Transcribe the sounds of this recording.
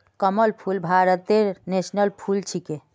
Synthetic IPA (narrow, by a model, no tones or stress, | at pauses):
kəməlpʰulbʱaɾət̪eɾnesnəlpʰult͡ʃʰike